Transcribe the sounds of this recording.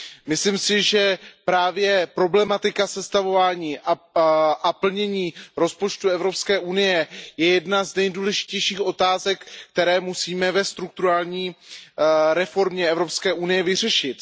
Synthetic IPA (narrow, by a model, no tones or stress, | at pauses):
mɪslimsɪʒɛpɾaːvjɛpɾo̞blɛmat̪ɪkasɛst̪avo̞vaːɲiːʔaʔapl̩ɲɛɲiːɾo̞spo̞t͡ʃt̪uɛvɾo̞pskɛːʔunɪjɛjɛjɛdnaznɛjduːlɛʒɪcɛjʃiːxʔo̞t̪aːzɛkːt̪ɛɾɛːmusiːmɛvɛst̪ɾuk̚t̪uɾaːlɲiː | ɾɛfo̞ɾmɲɛɛvɾopskɛːʔunɪjɛvɪrɛʃɪt̪